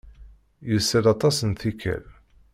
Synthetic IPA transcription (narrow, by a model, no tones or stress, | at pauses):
jəsːəlɑt̪ˤɑsənθikːæ̰l